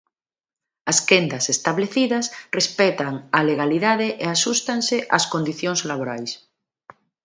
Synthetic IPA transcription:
ɐskend̪asest̪aβleθiðɐsrespɛt̪aŋaleɣaliðaðeʔeasust̪aŋseʔaskond̪iθjoŋzlaβ̞oɾajs

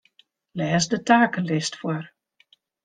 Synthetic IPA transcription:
lɛːsdətʰaːkəlɪstfwɔr

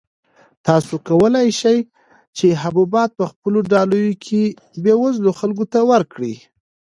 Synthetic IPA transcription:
t̪ɑsokawəlajʃaj | t͡ʃeɦabubɑt̪̚pəxpəloɖɑlujokʰe | bjewazloxalɡot̪awəɾkɽi

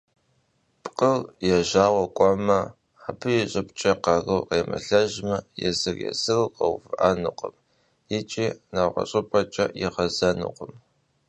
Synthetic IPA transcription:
pʼqʼəwjɛʒaːwɐkʷʼɔmɐ | apʰɨjɛɕʼɪpt͡ʃʼɐqɐrɨwqeːmɐ̰ɬɐʒmɐjɛzɨrjɛ̰sɨrqɐwfɨʔanuqʼəm | jɪt͡ʃʼiːnawʁɐ̰ɕʼɪpʼɐt͡ʃʼɐ̰jɛʁɐzɐnṵqʷəm

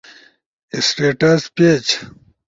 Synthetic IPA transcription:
isʈeːʈɐspet͡ɕ

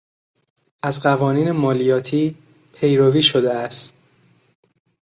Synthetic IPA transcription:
ʔæzɢævɒːniːnemɒːlijɒːt̪ʰiː | pʰe̞jɾoviːʃod̪eæst̪

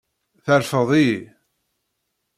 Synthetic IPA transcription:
θəɾfəðˤiji

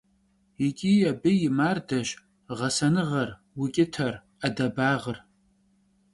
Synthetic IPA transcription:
ikʲʼijɐbɨjɪmaːrdɐʃ | ʁɐsɐnɨʁɐr | wʊkʲʼɪtʰɐr | adɐbaːʁər

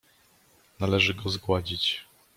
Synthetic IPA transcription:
nalɛʐɘɡɔzɡwad͡ʑit͡ɕ

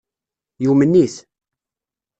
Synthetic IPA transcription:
jumənːis

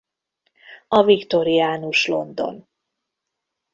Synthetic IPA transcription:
ɒvikt̪o̞ɾiaːnuʃlo̞̰nd̪o̞̰n

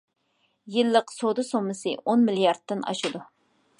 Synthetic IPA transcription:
jɪlːəqsod̪ɨsomːɨsɨʔonmɪljɑɾdt̪ːɨnɑ̰ʃud̪u

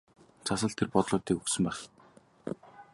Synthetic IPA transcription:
t͡sʰasə̆ɮt̪ʰerpɔt̪ɮʊːt̪iːkɵksɵ̆mpæːχ

